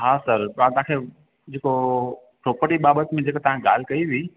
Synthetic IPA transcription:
ɦaːsəɾãt̪ɐɦãkʰe | d͡ʑeːko | pɾoːpəɾʈiɓaːbət̪mẽd͡ʑeːkət̪ɐʋ̤ãɡa̰ːl̤ɪkɐiʋiː

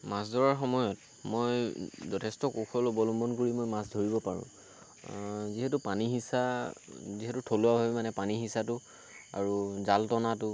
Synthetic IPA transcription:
mas̬dʱɔɹaɹxɔmɔjɔt | mojzɔtʰɛstɔkuxʰɔlobɔlɔmbɔnkoɹimojmasdʱoɹibɔpaɹʊ̰̃ | ziɦɛtʊpaniɦisa | ziɦɛtʊtʰolʊwabʱabimanɛpaniɦisatʊ | a̰ɹuzaltɔnatʊ

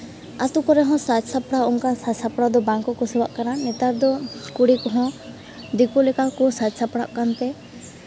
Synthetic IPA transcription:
at̪ukɔɾɛɦɔ̃sasapɽaɔŋkansasapɽad̪ɔbaŋkɔkɔsɛbaʔkaɾanɛt̪aɾd̪ɔkuɽikɔɦɔ̃ | d̪ikɔlɛkakɔsasapɽa̰ʔkant̪ɛ

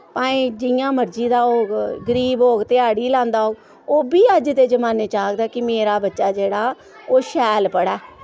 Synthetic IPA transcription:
pãːiːd͡ʒɪjãːməɾd͡ʒiːd̪aːoːɡɡəɾiːboːɡt̪ɪaːɽiːlãːnd̪aːoːɡ | oːbiːəd͡ʒt̪eːzəmaːneːt͡ʃaːkd̪aːkɪmeːɾaːbətːʃaːd͡ʒeːɽaː | oːʃɛːlpəɽɛː

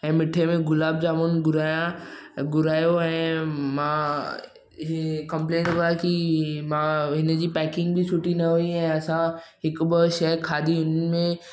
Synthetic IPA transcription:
ɛ̃ːmɪʈʰemẽɡʊlaːb̚d͡ʑaːmonɡʊɾaːjãɡʊɾaːjoɛ̃ːmãː | ɦkɐ̃mplẽːnʋəakimãːɦɪnd͡ʑiːpɛːkɪ̃ŋɡbʱisʰʊʈinɐɦuiɛ̃ːɐsãɦɪkbɪʃɛkʰaːd̪ʱiʊnmẽ

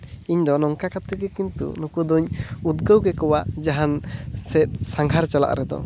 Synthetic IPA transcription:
iɲd̪ɔnɔŋkakat̪ɛɡɛkint̪ṵnukud̪uɲud̪ɡəwɡɛkɔwaʔd͡ʒaɦansɛt̪̚saŋɡʱaɾt͡ʃala̰ʔɾɛd̪ɔ̰

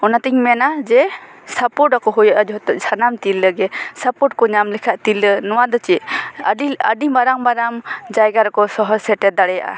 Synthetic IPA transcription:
ɔnat̪iŋmɛnad͡ʒɛsapɔɾʈakɔɦujaʔad͡ʒɔɦɔt̪ɔʔd͡ʒʰanamt̪ilːəɡɛsapɔʈ̚kɔɲamlɛkʰaʔt̪ilənɔwad̪ɔt͡ʃɛʔɖiaɖibaɾaŋbaɾamd͡ʒajɡaɾɔkɔsɔɦɔsɛʈɛd̪aɽɛja̰ʔa̰

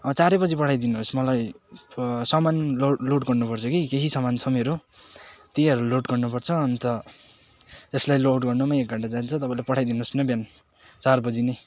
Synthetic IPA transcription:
ʌt͡saɾebʌd͡zipʌʈʰajd̪inuɦosmʌlaj | sʌmanloloʈɡʌrnupʌrt͡sʰʌkikeɦisʌmant͡sʰʌmeɾo | t̪iʌɾuloʈɡʌrnupʌrt͡sʰʌːnt̪ʌ | eslajlowʈɡʌrnumaek̚ɡaʈad͡zant͡sʰʌt̪ʌpãlapʌʈʰajd̪inuɦosnʌbjan | t͡sarbʌd͡zine

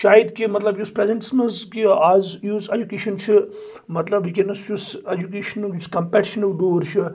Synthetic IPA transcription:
ʃaːjid̪kimɐt̪lɐbjuspɾezeɳʈsnuzkiaːzjuːzed͡ʒukeːʃɐnt͡ʃʰi | mɐt̪lɐbikenɐst͡ʃused͡ʒukeːʃɐnjuskɐmpɛʈiʃɐnɐɖ̪oːɾt͡ʃʰi

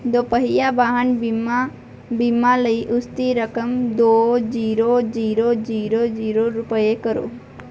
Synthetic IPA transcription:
d̪opəɦɪjaʋaɦənma | bimaləiʔʊst̪iɾəkəmd̪oːd͡ʒiːɾod͡ʒiːɾod͡ʒiːɾod͡ʒiːɾoɾʊpəjekəɾo̰

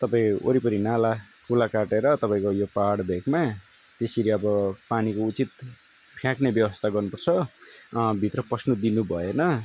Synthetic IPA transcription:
t̪ʌpaĩo̰ɾipʌɾinala | kulakaʈeɾʌt̪ʌpaĩkojopaɽbʱeɡma | t̪eseɾiʌbʌpanikout͡sit̪ | pʰjãknebjʌbʌst̪ʰaɡʌrnupʌrt͡sʰʌ | bʱit̪rʌprʌsnud̪inubʱʌenʌ

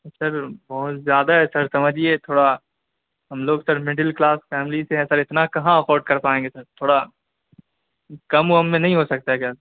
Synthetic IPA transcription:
sɐɾbɔɦʊt̪zjaːd̪aɦɛsɐɾsɐməd͡ʒiet̪ʰoːɽa | ɦɐmloːɡsɐɾmɪɖɪlklaːsfɛːmɪliseɦɛ̃sɐɾɪt̪nakɐɦãɐfɔːɾɖ̚kɐɾpaːẽːŋɡesɐɾt̪ʰoːɽa | kɐmoɦɐmːẽnɐɦĩɦosɐk̚t̪aɦɛkjaː

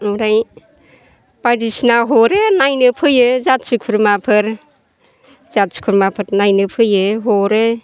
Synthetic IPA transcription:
uɾaj | padisnaɦɔɾenajnɯpʰɯjɯzat̚sukʰuɾmapʰɯɾ | zat̚su̥kʰuɾmapʰɯɾnajnɯpʰɯjɯɦoɾe

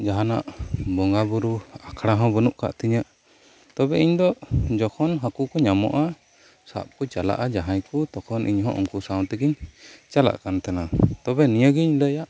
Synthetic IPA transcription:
d͡ʒaɦana̰ʔbɔŋɡabuɾuakʰɽaɦɔ̃bənuʔ̚ka̰ʔt̪iɲəʔ | t̪ɔbɛiɲd̪ɔd͡ʒɔkʰɔnɦakukɔɲamɔ̰ʔa | sa̰ʔput͡ʃala̰ʔad͡ʒaɦajkut̪ɔkʰɔnʔiɲɦɔ̰̃ʔɔ̰ŋkuʔsaw̃t̪ɛɡiɲt͡ʃala̰ʔkant̪anat̪ɔbɛnijəɡiɲləjaʔ

